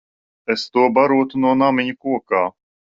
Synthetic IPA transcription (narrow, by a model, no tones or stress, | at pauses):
est̪uɔbaɾuɔt̪unuɔnamiɲukuɔkaː